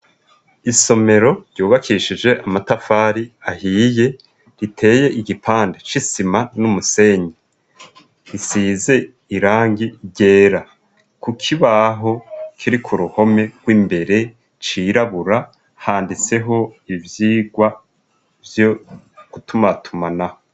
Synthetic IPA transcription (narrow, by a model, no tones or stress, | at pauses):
iso̞me̞ɾo̞ɾɟ̥oːβakʰiʃid͡ʒe̞ʔamatafaːɾiahiːje̞ | ɾitʰe̞ːje̞ʔiɡipʰaːndet͡ʃisimanumuse̞ɲe | ɾisiːze̞ | iɾaːŋɡiɾɟe̞ːɾa | kukʰiβaɦo̞kʰiɾikʰuɾuho̞me̞ɡ̥wiːmbe̞ɾe̞ | t͡ʃiɾaβuɾa | haːndit͡se̞ɦo̞ivjiːɡwa | vjo | ɡ̥utumatʰumanaho